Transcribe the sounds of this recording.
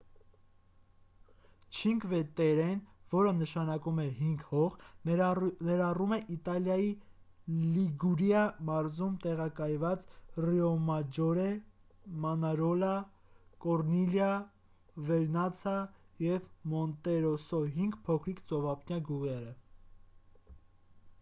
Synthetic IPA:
t͡ʃʰiŋɡvɛt̪ɛɾɛnvɔɾənəʃɑnɑkumɛɦiŋɡhɔʁ | nɛɾɑrumɛʔit̪ɑljɑji | liɡuɾjɑmɑɾzumt̪ɛʁɑkɑjvɑt͡sriɔmɑd͡ʒɔɾɛ | mɑnɑɾɔlɑ | kɔɾniljɑ | vɛɾnɑt͡sʰɑ | jɛvmɔnt̪ɛɾɔsɔɦiŋɡpʰɔkʰɾikt͡sɔvɑpʰnjɑɡuʁɛɾə

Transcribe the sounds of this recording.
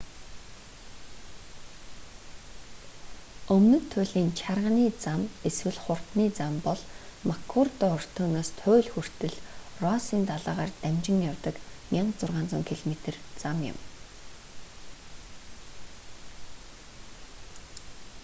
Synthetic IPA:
ɵmnɵ̆nt̪ʰːʊːɮiːnt͡ɕʰarʁəniːt͡sameswɘ̆ɮχʊr̥t̪niːt͡sampɔɮmakʰurt̪ɔɔr̥t̪ʰoːnoːst̪ʰʊːɮxur̥t̪ɘ̆ɮrɔsiːnt̪aɮaːʁaːrt̪æmt͡ɕɪ̆ŋjawt̪ə̆kmʲaɴɢt͡sʊrʁaːnt͡sʊ̆ːŋkʰiɮmet̪ɘ̆rt͡samjɪ̰m

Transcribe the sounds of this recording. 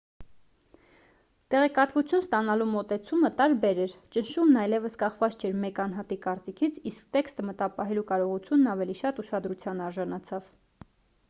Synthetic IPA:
t̪ɛʁɛkɑt̪vut͡sʰjunst̪ɑnɑlumɔt̪ɛt͡sʰumət̪ɑɾbɛɾɛɾt͡ʃənʃumnɑjlɛvəskɑχvɑt͡st͡ʃʰɛɾmɛkɑnɦɑt̪ikɑɾt͡sikʰit͡sʰiskt̪ɛkst̪əmət̪ɑpɑɦɛlukɑɾɔʁut͡sʰjunːɑvɛliʃɑt̪uʃɑd̪ɾut͡sʰjɑnɑɾʒɑnɑt͡sʰɑv

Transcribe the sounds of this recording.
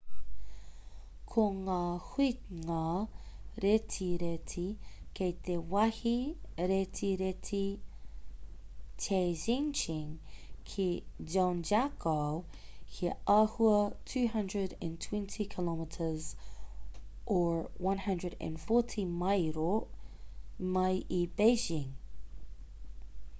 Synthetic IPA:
kʰoŋaːhiŋa | ɾetʰiɾetʰikʰejt̪ewɐhiɾetʰiɾetʰi | tʰezĩnt͡ʃĩŋkʰid͡ʒɔ̃nd͡ʒakʰo | kʰiʔahuətʰʉːɦʌ̃ndɹəɾɛ̰̃ntʰw̥ɛ̃ntʰikʰɪlɔmətʰə˞z | ʔəɹwʌ̃nhʌ̃ndɹəɾɛ̰̃nfɔɹtʰimaɪɾo | maɪʔib̥eɪʒɪ̃ŋ

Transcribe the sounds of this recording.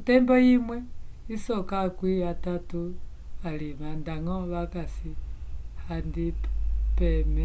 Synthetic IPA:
tɛmbɔjimwɛisɔkakwiatatu | alimandaŋɔβakasihandipɛmɛ

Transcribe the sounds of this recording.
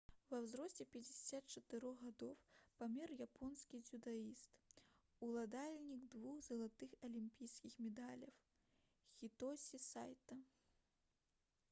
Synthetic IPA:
vɐwzɾɔsʲt͡sʲɛpʲɐd͡zʲɪsʲat̪t͡ʂɐt̪ɨɾɔɣad̪ɔwpamʲɛrjapʰɔnskʲid͡zʲud̪aist̪ | ulˠad̪alʲnʲiɡd̪vuxzɐlˠat̪ɨxɐlʲimʲpʲijskʲixmʲɛd̪alʲɐw | xʲit̪ɔsʲisajt̪ɐ

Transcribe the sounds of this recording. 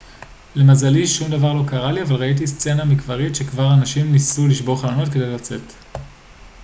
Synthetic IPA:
le̞mazaliʃumdavaʁlo̞kaʁaliavalʁait̬ist͡se̞namikvaʁitʃe̞kvaʁanaʃimnisuliʃbo̞χlanotke̞dejlat͡se̞t

